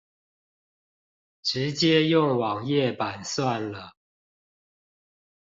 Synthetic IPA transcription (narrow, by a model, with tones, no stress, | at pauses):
ʈ͡ʂɻ̩˨˦t͡ɕjɛ˦jʊ˥˨ŋwɑ˨˩ŋjɛ˥˨pa˨˩nswa˥˨nlə˩